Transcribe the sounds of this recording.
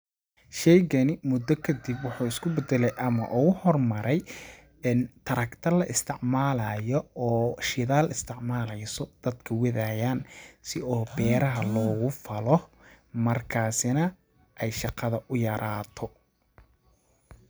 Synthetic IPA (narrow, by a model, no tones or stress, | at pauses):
ʃɛjɣɐnɪmʊd̪ɔkʰɐd̪ibwɑħuːɪskʰʊbɛd̪ɛlɛjʔɐmɐ̰ʔʊɣʊhɔrmɐɾɛj | nt̪ʰɐɾɐkt̪ʰɐlɐʔɪst̪ʰɪʕmaːlɐːjɔɔːʃɪðaːlɪst̪ʰɪʕmaːlɛjsɔd̪̥ɐd̪kʰɐwɛðajaːnsɪʔɔːbɛːɾɐɦɐlɔːɣʊfɐlɔ | mɐrkʰaːsɪnɐ | ʔɛjʃɑqɑðɐʔʊjɐɾʔaːt̪ʰɔ